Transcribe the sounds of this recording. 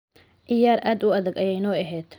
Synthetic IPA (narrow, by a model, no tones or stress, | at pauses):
ʔɪjaːɾʔaːd̪ʊɐðɐɡɐjɛjnɔːɐɦɛːd̪̥